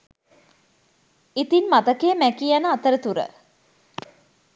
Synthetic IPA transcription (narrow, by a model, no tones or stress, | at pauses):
it̪inmat̪əkeːmækijanəat̪əɾət̪uɾə̰